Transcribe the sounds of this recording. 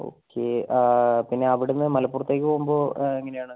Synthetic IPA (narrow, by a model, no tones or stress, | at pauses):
o̰ːkʰːe̞ | pinːe̞ɐʋiɽenːɨmɐlɐpːuːrɐt̪ːeːk̬ʲːɨpoːɣumbo̞ːeŋːɐnejaːɳɨ